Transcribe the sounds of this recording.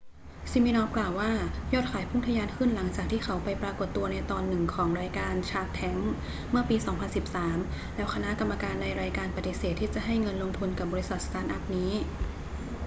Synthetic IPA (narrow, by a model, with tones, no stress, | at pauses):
si˧miː˧nɔː˧klaː˨˩wːaː˥˩jɔː˥˩t̪̚kʰaː˩˦jpʰu˥˩ŋt̪ʰa˧jaː˧nkʰɯ˥˩nla˩˦ŋt͡ɕaː˨˩k̚t̪ʰiː˥˩kʰa˦wpa˧jpɾaː˧ko˨˩t̪ːu˧ɐna˧jt̪ɔː˧nːɯ˨˩ŋkʰɔː˩˦ŋɾaː˧jkaː˧nt͡ɕʰaː˧˥˩k̚t̪ʰɛ˦˥ŋ | mɯ˥˩ɐpiː˧sɔː˩˦ŋpʰa˧nsi˨˩p̚saː˩˦m | lɛː˦˥wkʰa˧na˦˥ʔka˧mːa˧kaː˧nːa˧jɾaː˧jkaː˧npa˨˩t̪i˨˩seː˨˩t̪ʰːiː˥˩t͡ɕa˨˩ʔɦa˥˩jŋɤ˧nlo˧ŋt̪ʰu˧nka˨˩p̚bɔː˧ɾi˧˥sa˨˩st̪aː˧˥nʔa˦˥p̚niː˦˥